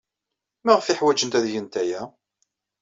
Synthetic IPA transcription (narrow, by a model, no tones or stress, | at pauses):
maʁəfɪħwæd͡ʒənt̪æðjənt̪æjæ